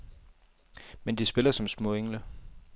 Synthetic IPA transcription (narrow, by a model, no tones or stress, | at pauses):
mend̥isb̥e̝lɐsɒ̽msmɔ̰̽ːeŋlə